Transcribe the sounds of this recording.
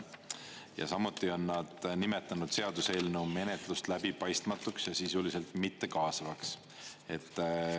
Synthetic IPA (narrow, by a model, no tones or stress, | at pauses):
jɑ̰sɑmut̪ːˑio̞nːɑd̪̥nime̞t̪ːˑɑnud̪̥se̞ɑd̪̥use̞ːlnewme̞ne̞t̪ˑlust̪læb̥ipɑjst̪mɑt̪ːˑuksjɑsisulise̞lt̪ˑmit̪ːe̞kɑːsɑvɑks | e̞t̪ːˑ